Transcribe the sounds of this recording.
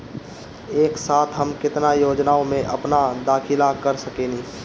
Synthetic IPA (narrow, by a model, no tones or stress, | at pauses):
eːksaːt̪ʰɦəmkɪt̪najoːd͡ʒnaːõmẽʔɐpnad̪aːkʰɪlakɐɾsɐkeːniː